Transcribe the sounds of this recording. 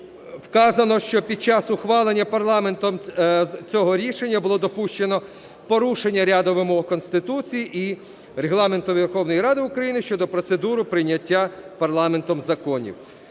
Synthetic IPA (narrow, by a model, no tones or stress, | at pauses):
wkɑzɐnɔʃt͡ʃɔpʲid̪̚t͡ʃɑsʊxʋɑlˠenʲːɐpɐrlˠɑme̞nt̪ɔmt͡sʲɔɦɔɾʲiʃenʲːɐbʊlˠɔd̪ɔpuʃt͡ʃenɔ | pɔɾuʃenʲːɐɾʲad̪ɔʋɪmɔɦkɔnst̪ɪt̪ut͡sʲijiʔi | ɾeɦlˠɑme̞nt̪ʊʋʲerxɔwnɔjɾɑd̪ɪʊkɾɐjinɪʃt͡ʃɔd̪ɔpɾɔt̪sed̪uɾʊpɾɪjnʲːɐtʲːapɐrlˠɑme̞nt̪ɔmzɐkɔnʲḭw